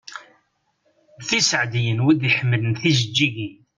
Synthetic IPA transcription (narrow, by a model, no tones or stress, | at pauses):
θisəʕd̪jənwid̪iħmːələnθizəd͡ʒːiɡi